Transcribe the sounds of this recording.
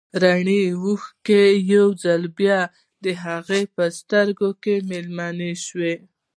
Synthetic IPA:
ɾaɳiwuxkejawd͡zalbjɑ | d̪əɦaɣepəst̪əɾɡokemelmɑneʃwe

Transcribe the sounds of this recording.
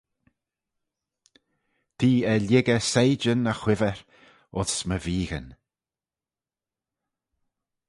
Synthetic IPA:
t̪ʰiːɛlʲɪɡəsejd͡ʒənəxwɪvəɾ | ʊsməviːɣən

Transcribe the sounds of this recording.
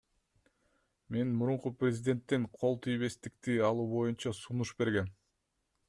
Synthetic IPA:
me̞nmuɾuɴquprʲɪzʲɪd̪ʲe̞nt̪ːeŋqʰo̞lˠt̪ʰijβe̞st̪ik̚t̪iɑlˠuːbo̞junt͡ʃɑsunuʃbe̞ɾɡe̞n

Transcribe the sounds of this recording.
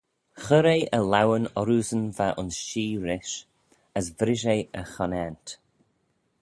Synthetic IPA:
xəɾejʔəlawənɔɾuzənvaʔʊnsʃiːɾɪʃ | əsvɾɪʒejəxɔnɛnt

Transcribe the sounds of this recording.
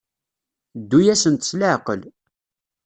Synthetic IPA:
d̪ːujæsənt̪sləʕqəl

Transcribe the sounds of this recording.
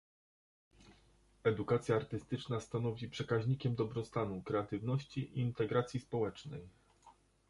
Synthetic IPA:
ɛd̪ukat̪sʲjaːɾt̪ɘst̪ɘt͡ʂnast̪anɔvʲipʂɛkaʑɲikʲɛmd̪ɔbɾɔst̪anukɾɛat̪ɘvnɔɕt͡ɕiʔiːnt̪ɛɡɾat̪sʲjispɔwɛt͡ʂnɛj

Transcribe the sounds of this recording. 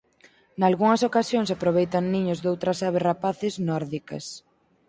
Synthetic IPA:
nalɣuŋɐsokasjoŋsapɾoβ̞ejt̪ɐnniɲʊzðowt̪ɾɐsaβ̞esrapaθɪznɔɾðikɐ̰s

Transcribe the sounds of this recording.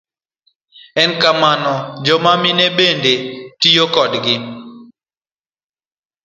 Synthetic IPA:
ɛnkamanɔd͡ʒɔmamɪnebendetijokɔdɡɪ

